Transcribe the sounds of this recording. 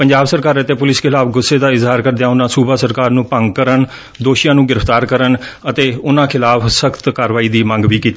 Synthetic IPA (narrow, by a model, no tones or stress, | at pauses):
pəɲd͡ʒaːbsəɾkaːɾət̪eːpʊlɪskʰɪlaːpɡʊsːeːd̪aːɪzɦaːɾkəɾd̪ejaːʊnãːsuːbaːsəɾkaːɾnũːpə̃ŋɡ̚kəɾən | d̪oːʃijãːnũːɡɪɾəfʰt̪aːɾkəɾənət̪eːʊnãːkʰɪlaːfsəkʰt̪kaːɾʋaːiːd̪iːmə̃ŋɡʋiːkiːt̪ː